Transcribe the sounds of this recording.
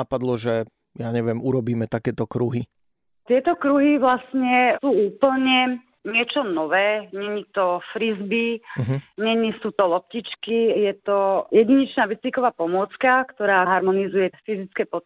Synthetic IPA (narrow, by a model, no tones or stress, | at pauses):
apad̪lɔʒɛ | jaɲɛʋɪɛmuɾɔbiːmɛt̪akɛːt̪ɔkɾuɦi | t̪ɪɛt̪ɔkɾuɦiʋlasɲɛsuːuːpl̩ɲɛ | ɲɪɛt͡ʃɔnɔʋɛːɲɛɲit̪ɔfɾizbiɦɲɛɲisuːt̪ɔlɔp̚ciːt͡ʃkijɛt̪ɔjɛɟiɲɛt͡ʃnaːʋit͡sikɔʋaːpɔmʊɔt͡skakt̪ɔɾaːɦaɾmɔnizujɛfizit͡skɛːpɔt̪